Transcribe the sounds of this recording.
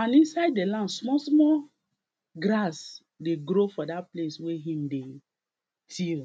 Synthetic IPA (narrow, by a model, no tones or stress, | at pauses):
ãnĩnsaɪdːelãndsmɔsmɔl | ɡɾas | deɡɾofɔdatplesweɦĩmde | tʰil